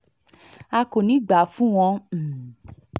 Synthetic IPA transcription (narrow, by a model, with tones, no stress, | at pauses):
a˧ko˨nĩ˨˦ɡ͡ba˨˦fũ˦w̃ɔ̃˧˨